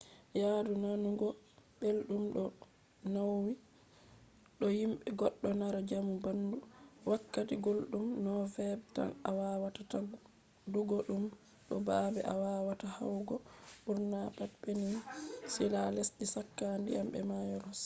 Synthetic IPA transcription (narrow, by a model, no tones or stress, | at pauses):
jadunanuɡɔbelɗumɗɔ | nawwi | ɗɔjimɓɛɡɔɗːɔnaɾad͡ʒamubanduwakːatiɡolɗumnɔfɛbta̰nawawatata | duɡɔɗum | ɗɔbabɛʔawawataha̰wɡɔɓuɾnabatbeninsilalesɗisakːandḭjambɛ̰majɔɾɔs